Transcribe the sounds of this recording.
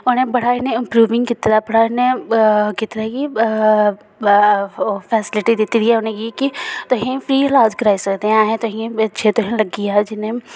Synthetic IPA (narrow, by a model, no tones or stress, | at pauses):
ʊnebɐɽ̤aɪneɪ̃mpɾuːʋɪ̃ŋɡkɪt̪ɾabɐɽ̤anekɪt̪ɾaki | fɛːsɪlɪʈid̪ɪt̪it̪iɛʊnẽkikit̪oɦĩfɾiːlaːd͡ʒkɾaːisɐkd̪ẽãːɦẽt̪oɦĩɐt͡ʃʰet̪oɦĩlɐɡijad͡ʒɪnẽ